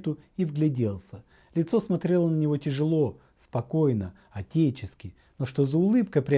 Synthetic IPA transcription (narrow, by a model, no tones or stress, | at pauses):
t̪ʊivɡlʲɪdʲe̞lˠsʲə | lʲɪt̪so̞smɐt̪ɾʲe̞lˠənənʲɪvo̞tʲɪʐɨlˠo̞ | spɐko̞jnə | ɐtʲet͡ɕɪskʲɪ | no̞ʂt̪o̞zəʊlˠɨpkəpɾʲɪ